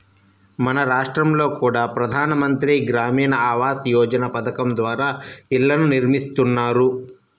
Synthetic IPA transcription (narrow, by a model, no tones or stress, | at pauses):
mɐnɐɾaːʂʈɾɐmlo̞ːkuːɽaːpɾɐd̪ʱaːnɐmɐnt̪ɾiɡɾaːmiːnɐaːʋaːsjɔːd͡ʒɐnɐpɐd̪ɐkɐmd̪ʋaːɾaːiɭːɐnuniɾmist̪unːaːɾu